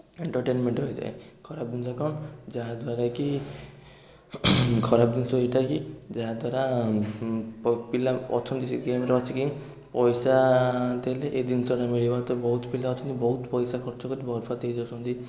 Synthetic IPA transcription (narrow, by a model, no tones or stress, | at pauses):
eɳʈɔɾʈenmeɳʈɦɔjd͡ʒa̰ḛkʰɔɾab̚d̪insɔkaɳd͡ʒaad̪waɾaki | kʰɔɾabd̪insɔeʈakid͡ʒaɦd̪waɾa | pilaɔ̰t͡ʃʰɔnt̪isiɡemɾɔt͡ʃʰikiŋ | pɔjsad̪eleʔed̪insɔɽamiɭibat̪ɔbɔɦut̪pilaɔt͡ʃʰɔnt̪ibɔɦut̪pɔjsakʰɔɾt͡ʃɔkɔɾibɔɾpʰat̪ejd͡ʒɔsɔnt̪i